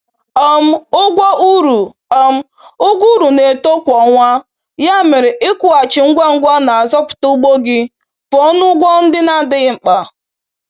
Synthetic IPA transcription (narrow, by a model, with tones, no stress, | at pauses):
ɔ˦m̩˦ʊ˦ɡʷa˦ʔu˦ɾu˨ | a˦m̩˦ | ʊ˦ɡʷu˦ɾu˨ne˨to˦kʷɔ˨ŋʷa˦ | ja˦mɪ˨ɾɪ˨ʔɪ˦kʷʊ˨a˨t͡ʃɪ˨ŋ̩˦ɡʷa˦ŋ̩˦ɡʷa˦na˨a˨zɔ˦pʊ̥˨tɔ˦u˦ɡ͡bo˦ɡɪ˦ | fɔ˦nʊ˦ɡʷɔ˦n̩˦dɪ˦na˦˨dɪ˦ɣɪ˦ŋ͡m̩˨k͡pa˨